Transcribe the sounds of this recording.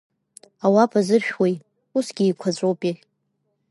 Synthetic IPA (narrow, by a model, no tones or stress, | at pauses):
awapʰʼazɨrʃᶣwej | usɡʲiːkʷʰat͡ɕʷʼowpʼi